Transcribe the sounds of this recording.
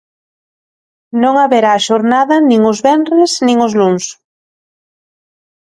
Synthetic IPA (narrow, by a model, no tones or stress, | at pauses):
nõŋaβeɾaːʃoɾnaðɐnĩŋʊzβɛnrɪsnĩŋʊzluns